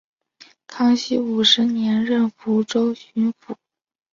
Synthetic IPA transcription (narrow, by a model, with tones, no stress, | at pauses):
kʰɑ˥ŋɕi˥u˨˩ʂɻ̩˧˥njɛ˧˥nɻə˥˩nfu˧˥ʈ͡ʂo˥ʊɕy˧˥nfu˨˩˦